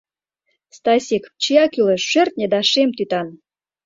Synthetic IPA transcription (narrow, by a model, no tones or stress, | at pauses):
st̪ɑsʲekpt͡ɕijɑkyleʃːørt̪̚ʲnʲed̪ɑʃemt̪yt̪ɑn